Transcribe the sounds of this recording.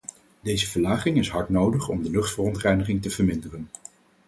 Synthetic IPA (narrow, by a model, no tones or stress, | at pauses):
dejzəvəɹlaːχɪŋɪsɦɑɹtnowdəχɔ̰mdəlɵχtfərɔntrɛjnəχɪŋtəv̥əɹmɪndərən